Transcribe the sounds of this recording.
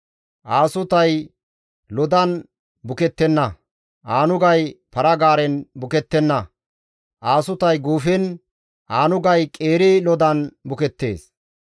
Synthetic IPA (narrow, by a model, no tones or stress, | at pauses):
ʔaːsʊt̪ɐj | lɔd̪ɐn | bʊkɛt̪ːɛnːɐ | ʔaːnʊɡɐjpɐɾɐɡaːɾɛnbʊkɛt̪ːɛnːɐ | ʔaːsʊt̪ɐjɡuːfɛn | ʔaːnʊɡɐjkʼeːɾɪlɔd̪ɐnbʊkɛt̪ːḛːs